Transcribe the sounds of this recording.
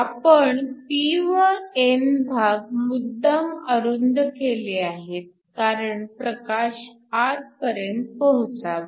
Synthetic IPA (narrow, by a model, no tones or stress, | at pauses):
apəɳtiʋəenbʱaɡmud̪ːəməɾund̪keleaɦet̪̚ | kaɾəɳpɾəkaɕ | aɾ̚pəɾjənt̪̚pəɦut͡saʋ